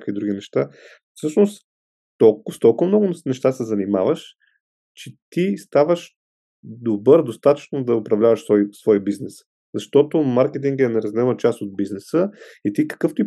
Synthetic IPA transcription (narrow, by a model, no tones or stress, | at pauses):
akvid̪ɾuɡ̟inɛʃt̪a | fsɤʃnost̪ | t̪ɔlkst̪ɔlˠkʊvɐmnɔɡʊnɛʃt̪asɛzɐnimavəʃ | t͡ʃɛt̪ist̪avəʃ | d̪obɤɾd̪ost̪at̪ə̥t͡ʃnod̪ɐʊpɾɐvlʲavɐʃsɔjsvɔjbiznɛs | z̥ɐʃt̪ɔt̪omaɾkɛt̪̬iŋɡɛnɛɾɐzɡ̪lɛmət͡ʃast̪od̪̚biznɛsəit̪ikə̥kɤft̪ʊi